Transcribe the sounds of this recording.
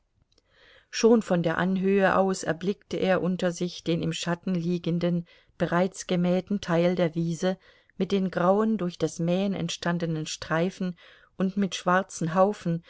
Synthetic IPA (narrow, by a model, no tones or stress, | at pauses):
ʃoːnfɔndeːɐʔanɦøːəʔa̰ʊsɛ̰ɐblɪktəʔeːɐʔʊntɐzɪçd̥eːnɪmʃatn̩liːɡəndən | b̥əʁaɪt͡sɡ̥əmɛːtn̩tʰaɪldeːɐviːzə | mɪt̚d̥eːmɡʁaʊəndʊɐçd̥asmɛːənɛ̰ntʃtandənənʃtʁ̥aɪfn̩ | ʔʊntmɪtʃv̥aɐt͡sn̩ɦaʊfn̩